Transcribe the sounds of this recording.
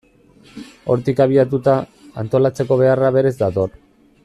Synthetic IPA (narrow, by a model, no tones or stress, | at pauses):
o̞ɾt̪ikaβ̞iat̪̬ut̪aant̪o̞lat͡se̞ko̞β̞e̞araβe̞ɾe̞zd̪at̪o̞r